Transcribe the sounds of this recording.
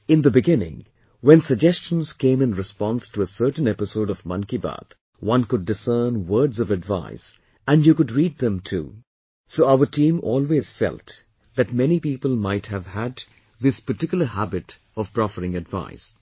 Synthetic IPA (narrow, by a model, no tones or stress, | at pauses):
ɪ̃nd̪əbɪɡɪ̃nɪ̰̃ŋ | wɛ̃nsəɡ̚d͡ʒɛst͡ʃə̃n̩z̥kẽɪ̃mɨ̃nɹɨspɑ̃nstuəsɜ˞ʈn̩ɛpɪsoʊɾɔvmʌ̰̃nkiba̰d̪ | wʌ̃nkʊdːɨsɜːnwəːdzʌvɨdva̰ɪs | æ̃njukʊdɹiːd̪̚ðə̃mtʰṵ | soːaʊətʰĩːmɔːlˠweːz̥fɛ̰lˠt | ðɨt̚mɛnipiːpəlˠmaɪthævhæd̪ | ðɪspəʈɪkjʊl̩ˠəhæbɨt | ɔv̥pɹɔfəɾɪ̃ŋɨdva̰ɪs